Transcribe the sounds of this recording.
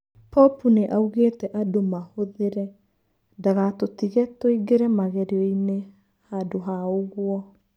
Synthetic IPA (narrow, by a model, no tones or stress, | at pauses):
pɔpuneʔauɣetɛʔadomahoðeɾɛ | daɣatotiɣɛtoiɡeɾɛmaɣɛɾeɔine | hadoɦaoɣwɔ